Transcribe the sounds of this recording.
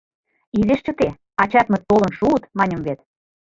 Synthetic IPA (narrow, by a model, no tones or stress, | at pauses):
iðeʃt͡ɕə̆t̪e | ɑt͡ɕɑt̪mĕt̪ːolə̆nʃuət̪mɑnʲəmvet̪̚